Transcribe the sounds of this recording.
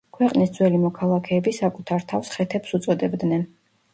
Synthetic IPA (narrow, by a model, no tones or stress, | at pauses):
kʰwɛqʼnisd̪zwɛlimɔkʰalˠakʰɛːbisakʼut̪ʰaɾt̪ʰafsχɛt̪ʰɛpsut̪sʼɔd̪ɛbd̪nɛn